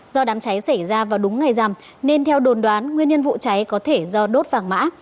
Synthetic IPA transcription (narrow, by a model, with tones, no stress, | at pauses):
zɔ˧ɗaː˨˦mt͡ɕa˨˦jsa˧˩jzaː˧vaː˨˩wɗʊ˨˦ŋ͡mːa˨˩jza˨˩m | ne˧nt̪ʰɛ˧wɗo˨˩nɗwaː˨˦nŋwi˧ənɲə˧ənvṵ˧˨t͡ɕa˨˦jkɔ˨˦t̪ʰe˧˩zɔ˧ɗo˦˥t̚vaː˨˩ŋma̰ː˧˥